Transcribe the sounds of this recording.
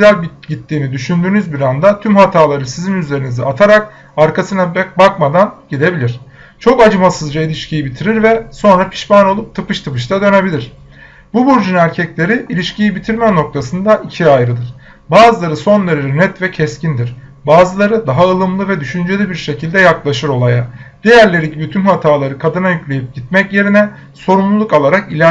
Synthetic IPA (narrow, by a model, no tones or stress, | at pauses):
ɡyzælʲb | ɟit̪ːiːnid̪yʃynd̪yːnyzbiɾand̪at̪ʰymhat̪ʰaːlˠaɾɯsizinyze̞ɾinizɛat̪ʰaɾak | aɾkasɯnabbakmad̪anɟ̥id̪e̞bilʲiɾ̥ | t͡ʃʰo̞kad͡ʒɯmasɯzd͡ʒailʲiʃcʰijibit̪ʰiɾiɾvɛso̞nɾapʰi̥ʃbano̞lˠup̚t̪ʰɯpɯʃt̪ʰɯpɯʃt̪ʰad̪ø̞ne̞bilʲiɾ̥ | bubuɾd͡ʒynæɾcʰɛclʲe̞ɾiilʲiʃcijibit̪ʰiɾʲmɛno̞k̚t̪ʰasɯnd̪aʔicʰiajɾɯd̪ɯɾ̥ | baːzɯlˠaɾɯso̞nlˠaɾɯɾɯnɛt̪vɛcʰɛscʰind̪iɾ̥ | baːzɯlˠaɾɯd̪aɦaɯlˠɯmlˠɯvɛd̪yʃynd͡ʒelʲibiɾʃe̞cʰilʲd̪ɛjaklˠaʃɯɾo̞lˠajad̪̥e̞jæɾlʲe̞ɾiɟibit̪ʰynhat̪ʰaːlˠaɾɯkʰad̪ɯnajyclʲe̞jip̚ɟ̥it̪mɛcje̞ɾinɛ | so̞ɾumlˠulˠukalˠaɾakilʲæ